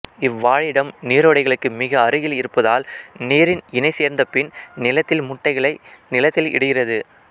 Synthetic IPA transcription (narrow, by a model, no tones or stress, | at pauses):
ɪʋːaːɻɪɽɐmniːɾoːɽɐɪɣɐɭɯkːɯmɪɣɐːɾɯɣɪlɪɾɯpːɐðaːlneːɾɪnɪnɐɪseːɾnd̪ɐpːɪnnɪlɐt̪ːɪlmʊʈːɐɪɣɐɭɐɪnɪlɐt̪ːɪlɪ̰ɽɯɣɪrɐðɯ